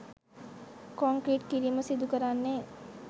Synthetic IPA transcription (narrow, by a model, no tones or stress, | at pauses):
kɔŋkɾiːʈkiɾiməsid̪ʱukəɾaːnːeː